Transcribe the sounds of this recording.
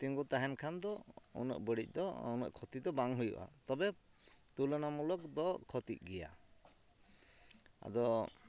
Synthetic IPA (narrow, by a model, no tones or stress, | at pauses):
t̪iŋɡut̪aɦɛnkʰand̪ɔṵnɔ̰ʔbəɽic̚ˀd̪ɔɔnɔ̰ʔkʰɔt̪id̪ɔbaŋɦujṵʔa̰t̪ɔbɛ | t̪ulɔnamulɔkd̪ɔkʰɔt̪ḭc̚ˀɡɛja̰ | a̰d̪ɔ